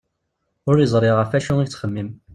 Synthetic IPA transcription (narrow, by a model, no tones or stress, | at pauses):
ʊɾizˤɾˤiʁəfæʃuŋit͡sːχəmːim